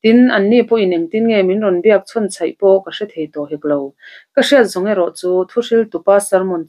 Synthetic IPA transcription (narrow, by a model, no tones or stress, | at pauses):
t̪inʔɐnːipɔʔinʔɛŋt̪inŋɛminrɔndiɐk̚t͡sʰɔnt͡sʰɐjʔpɔkaʂɛt̪̚ʰhejt̪ɔɦɛk̚lowkɐʂiət̪̚zɔŋɛɾɔʔt͡suːt̪ʰuʂilt̪upaːsɐrmɔn